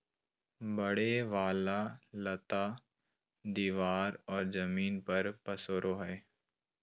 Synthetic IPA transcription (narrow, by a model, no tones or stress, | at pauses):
bɐɽeʋaːlalɐt̪aː | d̪iːʋaːɾɔːɾzɐmiːnpɐɾpɐsoːɾʔoɦɛː